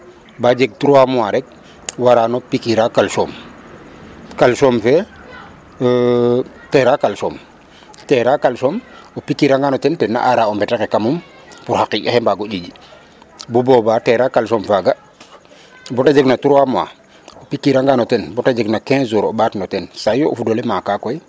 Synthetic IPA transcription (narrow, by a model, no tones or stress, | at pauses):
bad͡ʒeɡ̚tuɾuwamuaɾɛk̚ | waɾanopikiɾakalsoːm | kalsomfɛ | tɛɾakalsɔm | tɛɾakalsɔmopikːiɾaŋɡanɔtɛntɛnːa̰ʔaɾaɔmbɛtakekamum | puɾhakiɟahɛmbaɡoɟid͡ʒi | bubɔbatɛɾakalsɔmfaɡa | bɔtad͡ʒeɡnatuɾwama̰ | opikːiɾaŋɡanɔtɛnbɔtad͡ʒeɡnakɛ̃zuɾɔɓatnɔtɛnsajoʔṵfdɔlɛmakakɔj